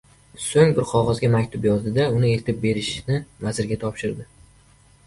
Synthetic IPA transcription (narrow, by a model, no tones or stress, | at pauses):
soŋbɪɾqʰɒʁɒzɡʲamakʲt̪ʰʊpjɒzd̪ɪd̪aʊnɪe̞lt̪ʰɪp̚be̞ɾɪʃnɪvazɪɾɡʲat̪ʰɒpʃɪɾd̪ɪ